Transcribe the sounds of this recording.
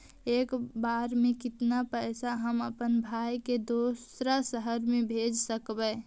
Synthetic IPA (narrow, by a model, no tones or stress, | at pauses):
ekbaɾmẽkɪt̪napəjsaɦəməpənbʱajked̪osɾasəɦəɾmebʱed͡ʒsəkbə